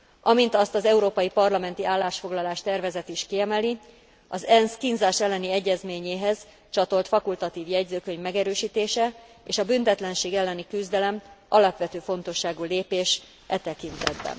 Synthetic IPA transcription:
ʔɒmint̪ɒst̪ɒzɛuɾoːpɒjipɒrlɒmɛn̪t̪iʔaːlːaːʃfo̞ɡlɒlaːʃt̪ɛrvɛzɛt̪iʃkiɛmɛli | ɒzɛnskinzaːʃɛlːɛniɛɟːɛzmeːɲeːɦɛz̥ | t͡ʃɒt̪o̞lt̪fɒkult̪ɒt̪iːvjɛɟzøːkø̞ɲvmɛɡɛɾøːʃiːt̪eːʃɛ | eːʃɒbynt̪ɛt̪lɛnʃeːɡɛlːɛnikyzd̪ɛlɛmʔɒlɒpʋɛt̪øːfo̞nt̪o̞ʃːaːɡuːleːpeːʃ | ʔɛt̪ɛkint̪ɛd̪bɛ̰n

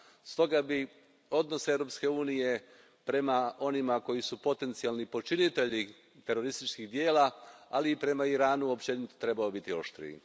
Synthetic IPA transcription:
st̪o̞ɡabi | o̞d̪no̞sevɾo̞pske̞uːnije̞ | pɾe̞mao̞nimako̞jisupo̞t̪e̞nt̪sijalˠnipo̞t͡ʃinit̪e̞ʎi | t̪e̞ɾo̞ɾist̪it͡ʃkiɣd̪je̞ːlaaliːpɾe̞maiɾaːnuopt͡ɕenit̪t̪ɾe̞baobit̪io̞ʃt̪ɾḭḭ

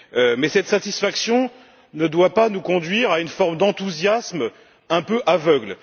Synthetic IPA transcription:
mɛsɛt̪sat̪isfaksjɔ̃ | nəd̪wapanukɔ̃d̪ɥiʁaynfɔʁmd̪ɑ̃t̪uzjasm | ɛ̃pøʔavœɡl

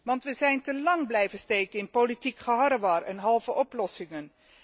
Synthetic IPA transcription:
ʋɑntʋəzɛjntəlɑŋblɛjvənstejkənɪnpolitikχəɦɑɾəʋɑrɛnɦɑlˠvəʔɔplɔsɪŋən

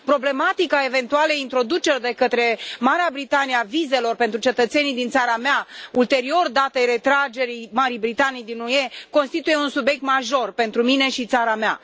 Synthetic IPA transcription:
pɾo̞ble̞mat̪ikae̞ve̞nt̪ualeint̪ɾo̞d̪ut͡ʃe̞rd̪e̞kət̪ɾe̞maɾeabɾit̪anijeavize̞lo̞rpe̞nt̪ɾut͡ʃe̞t̪ət̪se̞nid̪int̪saɾameault̪e̞ɾio̞rd̪at̪e̞jre̞t̪ɾad͡ʒe̞ɾijmaɾibɾit̪anijd̪inuje̞konst̪it̪uje̞unsubje̞k̚t̪maʒo̞rpe̞nt̪ɾumine̞ʃit̪saɾamea̰

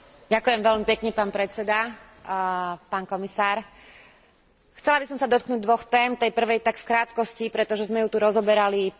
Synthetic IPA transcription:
ɟakujɛmʋɛlmipɛkɲɛpaːnpɾɛt͡sɛd̪a | paːnkɔmisaːɾ | xt͡sɛlabisɔmsad̪ɔt̪̚knuːɟ̚d̪ʋɔxt̪ɛːmt̪ɛjpr̩ʋɛjt̪akfkɾaːt̪kɔscipɾɛt̪ɔʒɛzmɛjut̪uɾɔzɔbɛɾali

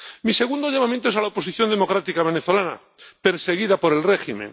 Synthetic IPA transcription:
mise̞ɣ̞und̪o̞ʎamamjẽnt̪oesalaopo̞siθjo̞nd̪e̞mo̞kɾat̪ikaβ̞e̞neθolana̰ | pe̞ɾse̞ɣiðapo̞ɾe̞lreximḛ̃ŋ

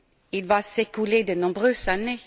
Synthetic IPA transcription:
ɪlvɑːsɛkʉleːd̪ənɔ̃bʁøːsane

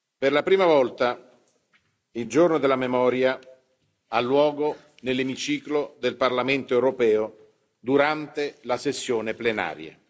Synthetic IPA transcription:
perlapɾiːmavɔlt̪a | ild͡ʒornod̪elamemɔːɾja | alːwɔːɡo | nelːemit͡ʃiːklod̪elparlament̪oewɾopɛːo | d̪uɾant̪elasesːjoːneplena̰ːɾja̰

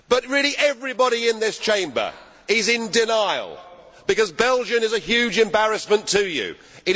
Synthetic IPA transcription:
b̥ʌt̚ɹɪlˠiʔɛvɹibɑɾiɪ̃nðɪst͡ʃʰẽɪ̃mbə̰˞ | ɪzɪ̃ndɪnaɪlˠ | b̥ɨkʌzbɛlˠd͡ʒɨ̃nɨzɨhjʉd͡ʒɨ̃mbæɹɨsmə̃ntʰɨjʉ̰ | ɨɾ

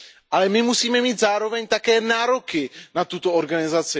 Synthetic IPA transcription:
ʔalɛmɪmusiːmɛmiːt̪zaːɾo̞vɛɲt̪akɛːnaːɾo̞kɪnat̪ut̪ooɾɡanɪzat͡sɪ

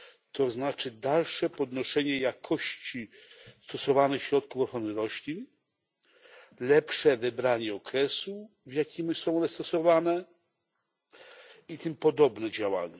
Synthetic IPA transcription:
t̪ɔznat͡ʂɘd̪alʂɛpɔd̪nɔʂɛɲɛjakʰɔɕt͡ɕist̪ɔsɔvanɛxɕɾɔt̪̚kufɔxɾɔnɘɾɔɕlʲin | lɛpʂɛvɘbɾaɲɛɔkɾɛsu | vjakʲimsɔ̃w̃ɔnɛst̪ɔsɔvanɛ | it̪ɘmpɔd̪ɔbnɛd͡ʑawa̰ɲa

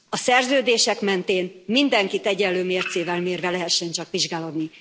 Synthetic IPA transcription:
ɒsɛrzøːd̪eːʃɛkmɛnt̪eːnmind̪ɛŋkit̪ɛɟɛlːøːmeːrt̪seːvɛlmeːrvɛlɛɦɛʃːɛnt͡ʃɒkʋiʒɡaːlo̞d̪ni

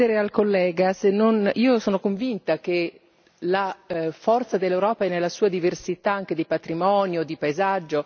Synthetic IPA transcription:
eɾealkolːɛːɡasenːoniːosoːnokoɱvint̪ak̟e | lafɔrt̪sad̪elːewɾɔːpaɛnːelːasuːad̪iversit̪aaŋk̟ed̪ipat̪ɾimɔːnjod̪ipaezad͡ʒːo

